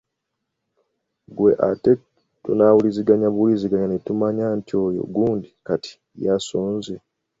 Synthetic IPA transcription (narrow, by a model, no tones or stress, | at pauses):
ɡwe̞̰ʔa̰te | tunawuliziɡaɲaβuliziɡaɲanetumaɲaːntʰjo̞ːjo̰ɡuːndikati̥ | jasoːnze